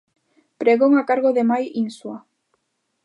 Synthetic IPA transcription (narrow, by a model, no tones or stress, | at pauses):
pɾeɣoŋakaɾɣoðemajinswa